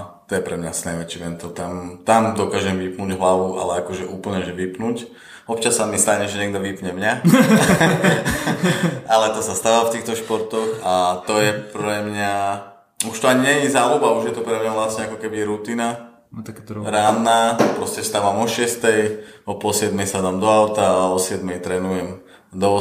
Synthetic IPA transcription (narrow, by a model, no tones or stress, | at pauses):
t̪ɔjɛpɾɛmɲasnajʋɛt͡ʃiʋɛnt̪ɔt̪amt̪amd̪ɔkaːʒɛmʋipnuːɟɦlaʋuʔa̰lɛakɔʒɛʔuːpl̩ɲɛʒɛʋipnuːc | ɔp̚t͡ʃasːamist̪aɲɛʒɛɲɛɡ̚d̪ɔʋipɲɛmɲa | alɛt̪ɔsast̪aːʋaft̪iːxt̪ɔʃpɔɾt̪ɔxat̪ɔjɛpɾɛmɲa | uʃt̪ɔaɲiɲɛɲizaːlubauʒjɛt̪upɾɛmɲaʋlasɲɛakɔkɛbiɾut̪ina | ɾaːnːaːpɾɔscɛst̪aːʋamɔʃɪɛst̪ɛjɔpɔlsɪɛd̪mɛjsad̪amd̪ɔaʊt̪aːɔsɪɛd̪mɛjt̪ɾɛnujɛm | d̪ɔ